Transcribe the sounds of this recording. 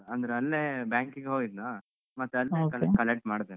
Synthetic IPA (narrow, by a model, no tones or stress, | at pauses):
ɐnd̪ɐɾeɐlːeːbjaːŋkiɡɦoɡid̪naː | mɐt̪ːuɐlːekɐlekɐleʈmaːɽd̪e